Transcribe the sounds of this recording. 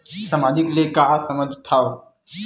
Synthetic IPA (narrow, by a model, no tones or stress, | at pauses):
samaːd͡ʒɪklekasɐmə̃d̪ʱt̪ʰːaːo